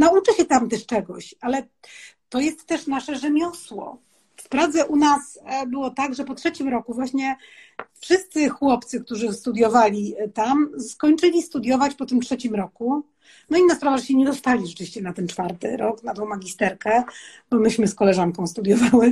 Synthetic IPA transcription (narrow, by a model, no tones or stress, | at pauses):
naut͡ʂɘɕɛt̪amt̪ɛʂt͡ʂɛɡɔɕalɛ | t̪ɔjɛst̪ːɛʂnaʂɛʐɛmʲjɔswɔ̰ | spɾavd̪zɛʔunasbɘwɔt̪aɡʐɛpɔtʂɛt͡ɕimɾɔkuvwaɕɲɛ | fʂɘst̪sɘxwɔpt̪sɘk̚t̪uʐɘst̪ud̪jɔvalʲit̪amskɔɲt͡ʂɘlʲist̪ud̪ʲjɔvat͡ɕpɔt̪ɘmtʂɛt͡ɕimɾɔku | nɔinaspɾavaʐɛɕɛɲɛd̪ɔst̪alʲiʐɛtɨvʲi̥ɕt͡ɕɛnat̪ɛnt͡ʂfaɾt̪ɘ̰ɾɔknad̪wɔ̃w̃maɡʲist̪ɛɾkɛ | bɔmɘɕmɘskɔlɛʐaŋkɔ̃w̃st̪ud̪ʲjɔvawɛ